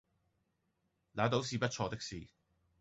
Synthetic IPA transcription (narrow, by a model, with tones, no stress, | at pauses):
laː˨˥t̪o˨˥wsiː˧pɐ˥t̚t͡ʃʰɔː˧t̪ɪ˥k̚siː˧